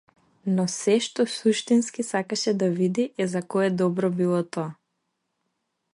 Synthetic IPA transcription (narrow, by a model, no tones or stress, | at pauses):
nɔsɛʃt̪ɔsuʃt̪inskisakaʃɛd̪avid̪iʔɛzakɔɛd̪ɔbɾɔbilˠɔt̪ɔa